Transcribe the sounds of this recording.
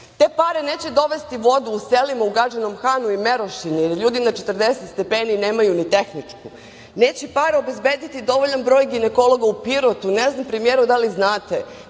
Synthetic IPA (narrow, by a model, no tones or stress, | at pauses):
t̪e̞ːpaːɾene̞ːt͡ɕed̪oʋest̪iʋo̞d̪uːselimauɡɾad͡ʒano̞mxaːnuime̞ɾoʃinieɾʎuːd̪inat͡ʃet̪r̩d̪eset̪st̪e̞pe̞ːnine̞ːmajunit̪e̞xnit͡ʂku | neːt͡ɕepaːɾeo̞be̞zbed̪it̪id̪o̞ʋoʎanbɾo̞ːjɡineko̞lˠoɡaupiɾot̪uneznampɾemijeɾud̪aliznaːt̪e